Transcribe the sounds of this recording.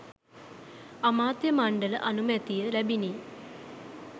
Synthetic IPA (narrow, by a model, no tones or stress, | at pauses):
ɐmaːt̪jɐmaɳɖɐlʔɐnumet̪ːijɐlɐbʱini